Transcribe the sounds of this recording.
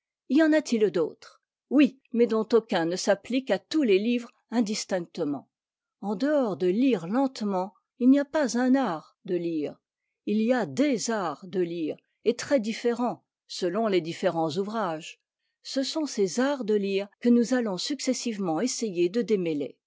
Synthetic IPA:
ijɑ̃nat̪ʰild̪oːt̪χ | wi | mɛd̪ɔ̃t̪okʲɛ̃nəsaplikat̪ulelivʁ | ɛ̃d̪ist̪ɛ̃k̚t̪əmɑ̰̃ | ɑ̃d̪əɔʁd̪əliʁlɑ̃t̪mɑ̃ | ilniapazɛ̃naʁ | d̪əliːʁ | iliad̪ezaʁd̪əliːʁ | et̪χɛd̪ifeʁɑ̃ | səlɔ̃led̪ifeʁɑ̃zuvʁaʒ | səsɔ̃sezaʁd̪əliːʁkənuzalɔ̃syksɛsivmɑ̃esejed̪əd̪emelḛ

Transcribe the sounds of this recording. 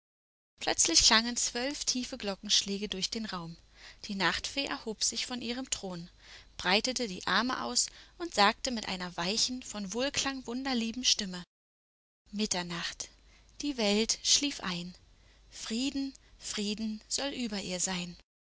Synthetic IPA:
pʰl̥œt͡slɪçɡaŋənt͡sv̥œlftʰiːfəɡlɔkŋ̩ʃlɛːɡədʊɐçd̥eːnʁaʊm | d̥iːnaχtfeːʔɛ̰ɐhoːpz̥ɪçfɔnʔiːʁ̞əmtʁ̥oːn | b̥ʁaɪtətədḭːʔa̰ɐməʔa̰ʊsʔʊntz̥aːk̚təmɪtʔa̰ɪnɐvaɪçn̩fɔnvoːlkʰl̥aŋvʊndɐliːbm̩ʃtɪmə | mɪtɐnaχt | d̥iːvɛltʃliːfʔa̰ɪn | fʁ̥iːdn̩fʁ̥iːdn̩z̥ɔlʔyːbɐʔiːɐzaɪn

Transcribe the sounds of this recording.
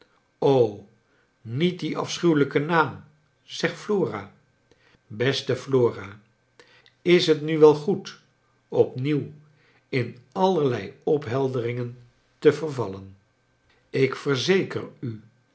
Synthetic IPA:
ow | nit̚diʔɑ̰fsχywləkənaːm | z̥ɛχtfloːra̰ː | bɛstəfloːraː | ɪsɦətnyʋɛlˠχut | ɔpniw | ɪnɑləɹlɛjɔpɦɛlˠdərɪŋən | təvərvɑlən | ɪkfərzejkə̰ry

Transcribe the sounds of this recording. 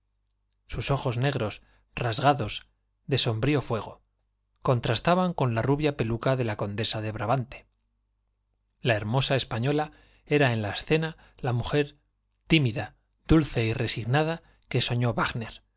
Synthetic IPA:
suso̞xo̞zne̞ɣɾo̞s | razɣaðo̞z | ðe̞so̞mbɾiofwe̞ɣ̞o̞ | ko̞nt̪ɾast̪aβaŋko̞nlaruβjape̞lukaðe̞lako̞nd̪e̞saðe̞βɾaβant̪e̥ | lae̞ɾmo̞sae̞spaɲo̞la | e̞ɾae̞nlaesθe̞na | lamuxe̞ɾ | t̪imiða | ð̥ulθe̞ire̞siɣnað̞a | ke̞so̞ɲo̞βaɣne̞ɾ

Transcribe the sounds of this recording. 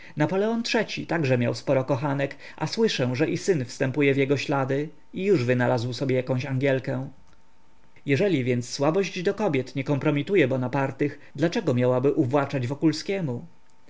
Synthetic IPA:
napɔlɛɔntʂɛt͡ɕit̪aɡʐɛmja̰wspɔɾɔkɔxanɛk | a̰swɘʂɛ̃ʐɛʔisɘnfst̪ɛmpujɛvjɛɡɔɕlad̪ɘ | ijuʐvɘnalazwsɔbʲjɛjakɔ̃w̃ɕaŋɡʲjɛlkɛ | jɛʐɛlʲivʲjɛnt̪sːwabɔʑd͡ʑd̪ɔkɔbʲjɛt̪ɲɛkɔmpɾɔmʲit̪ujɛbɔnapaɾt̪ɘx | d̪lat͡ʂɛɡɔmʲjawabɘʔuvwat͡ʂad͡ʑvɔkulskʲɛmu

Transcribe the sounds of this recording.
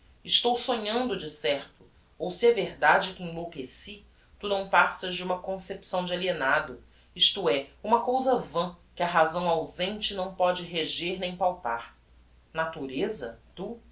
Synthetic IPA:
ɪʃt̪owsõɲɐ̃nd̪ʊd͡ʒɪsɛɾt̪ʊ̥ | owsɪɛveɾd̪ad͡ʒɪkɪẽlokesi | t̪unɐ̃w̃pasɐʒd͡ʒɪũmɐkõsepsɐ̃w̃d͡ʒɪalienad̪ʊ | iʃt̪uɛũmɐkowzɐvɐ̃kɪɐɦazɐ̃w̃awzẽnt͡ʃɪnɐ̃w̃pɔd͡ʒɪɦeʒeɾnẽj̃pawpa̰ɾ | nat̪uɾezɐt̪u

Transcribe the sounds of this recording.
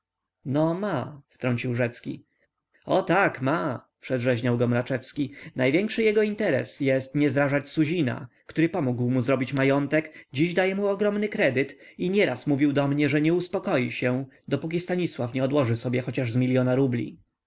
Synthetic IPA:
nɔmaft̪ɾɔɲt͡ɕiwʐɛt̪skʲḭ | ɔt̪akma | pʂɛd̪ʐɛʑɲawɡɔmɾat͡ʂɛfskʲinajvʲjɛŋkʂɘjɛɡɔint̪ɛɾɛ̰sjɛst̪ɲɛzɾaʐat͡ɕsuʑina̰kt̪uɾɘpɔmuɡwmuzɾɔbʲit͡ɕmajɔnt̪ɛkd͡ʑiʑd̪ajɛmuɔɡɾɔmnɘkɾɛd̪ɘt̪iɲɛɾasmuvʲiwd̪ɔmɲɛʐɛɲɛuspɔkɔjiɕɛ | d̪ɔpuk̬ʲist̪aɲiswafɲɛɔd̪wɔʐɘsɔbʲjɛxɔt͡ɕaʐzmʲilʲjɔnaɾublʲḭ

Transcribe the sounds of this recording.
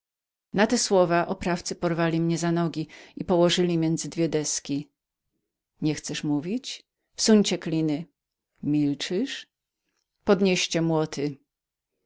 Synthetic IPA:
nat̪ɛswɔvaʔɔpɾaft̪sɘpɔɾvalʲimɲɛzanɔɡʲiipɔwɔʐɘlʲimʲjɛnd̪zɘd̪vʲjɛd̪ɛskʲi | ɲɛxt̪sɛʂmuvʲit͡ɕ | fsuɲt͡ɕɛklʲinɘ | mʲilt͡ʂɘʂ | pɔd̪ɲeɕt͡ɕɛmwɔt̪ʰɘ

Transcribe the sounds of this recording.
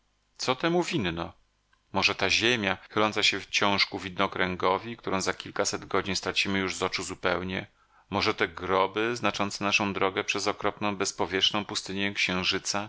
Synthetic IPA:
t̪sɔt̪ɛmuvʲinnɔ | mɔʐɛt̪aʑemʲjaxɘlɔnt̪saɕɛft͡ɕɔ̃w̃ʂkuvʲid̪nɔkɾɛŋɡɔvʲik̚t̪uɾɔ̃w̃zakʲilkasɛd̪ɡɔd͡ʑiɲst̪ɾat͡ɕimɘjuʐzɔt͡ʂuzupɛwɲɛ | mɔʐɛt̪ɛɡɾɔbɘznat͡ʂɔnt̪sɛnaʂɔ̃w̃d̪ɾɔɡɛpʂɛzɔkɾɔpnɔ̃w̃bɛspɔvʲjɛʂnɔ̃w̃pust̪ɘɲɛkɕɛ̃w̃ʐɘt̪sa

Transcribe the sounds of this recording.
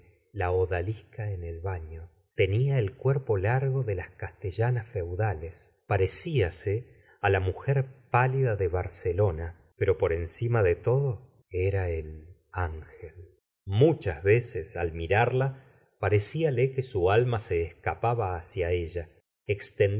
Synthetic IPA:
laoðalihkaenelβaɲo̞ | t̪e̞niaelkweɾpo̞laɾɣo̞ðe̞laskast̪eʒanasfe̞wðalespaɾe̞siase | alamuxeɾpaliðaðeβ̞aɾselo̞na | peɾo̞po̞ɾe̞nsimaðet̪o̞ðo̞ | eɾael | aŋxel | mut͡ʃazβesesalmiɾaɾla | paɾesialekesualmase̞ːskapaβaːsjaeʒa | ekst̪en

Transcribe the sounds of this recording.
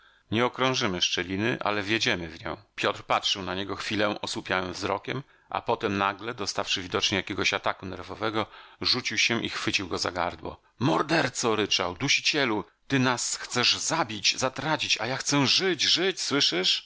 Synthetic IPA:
ɲɛɔkɾɔ̃ʐɘmɘʂt͡ʂɛlʲinɘʔa̰lɛvʲjed͡ʑɛmɘvɲɔ̰̃w̃pʲjɔt̪rpatʂɘwnaɲɛɡɔxfʲilɛ̃ʔɔswupʲjawɛmvzɾɔkʲɛm | ʔa̰pɔt̪ɛmnaɡlɛd̪ɔst̪afʂɘvʲid̪ɔt͡ʂɲɛjakʲɛɡɔɕat̪akunɛɾvɔvɛɡɔʐut͡ɕiwɕɛʔixfɘt͡ɕiwɡɔza̰ɡa̰ɾd̪wɔ̰ | mɔɾd̪ɛɾt̪sɔɾɘt͡ʂa̰wd̪uɕi̥t͡ɕɛlu | t̪ɘnasxt̪sɛʐzabʲid͡ʑzat̪ɾat͡ɕit͡ɕajaxt̪sɛʐɘt͡ɕʐɘt͡ɕswɘʂɘʂ

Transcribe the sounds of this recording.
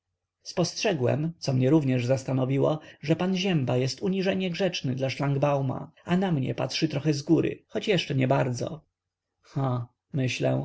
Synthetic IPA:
spɔstʂɛɡwɛ̰mt̪sɔmɲɛɾuvɲɛʐzast̪anɔvʲiwɔʐɛpanʑɛmbajɛst̪uɲiʐɛɲɛɡʐɛt͡ʂnɘd̪laʂlaŋɡbawma̰anamɲɛ̰pa̰t̪ʂɘt̪ɾɔxɛzɡuɾʔɘ̰xɔt͡ɕjɛʂt͡ʂɛɲɛbaɾd̪zɔ̰ | xa | mɘɕlɛ̰̃

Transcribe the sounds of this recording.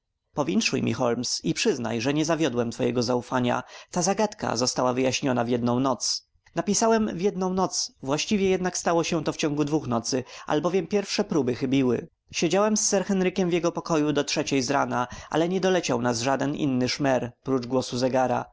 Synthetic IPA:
pɔvʲjint̪ʂujmʲḭxɔlmsipʂɘzna̰jʐɛɲɛzavʲjɔd̪wɛmt̪fɔjɛɡɔzaufaɲa̰t̪azaɡat̪ka̰zɔst̪awavɘjaɕɲɔnavjɛd̪̚nɔ̃w̃nɔt̪s | napʲisawɛmvjɛd̪nɔ̃w̃nɔt̪svwaɕt͡ɕivʲjɛjɛd̪nakst̪awɔɕɛt̪ɔft͡ɕɔ̃ŋɡud̪vuxnɔt̪sɘa̰lbɔvʲjɛmpʲjɛɾfʂɛpɾubɘxɘbʲiwɘ̰ | ɕɛd͡ʑawɛmsːɛɾxɛnɾɘkʲɛmvjɛɡɔpɔkɔjud̪ɔtʂɛt͡ɕɛjzɾanaʔa̰lɛɲɛd̪ɔlɛt͡ɕawnasʐad̪ɛnḭnːɘʂmɛɾpɾud͡ʐɡwɔsuzɛɡaɾa̰

